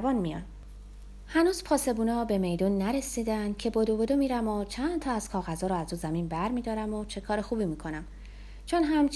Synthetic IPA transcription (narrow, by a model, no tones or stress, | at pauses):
bɒːnmijɒ̰n | hænuːzpʰɒːse̞buːnɒːbe̞me̞jd̪uːnːæɾesid̪ænd̪cʰe̞bod̪obod̪omiːɾæmot͡ʃʰænd̪̥t̪ʰɒæz̥kʰɒːɣæzɒːɾɔæzuːzæminbæɾmid̪ɒːɾæmot͡ʃʰe̞kʰɒːɾexuːbimiːkʰo̞næm | t͡ʃʰonɦæmt͡ʃ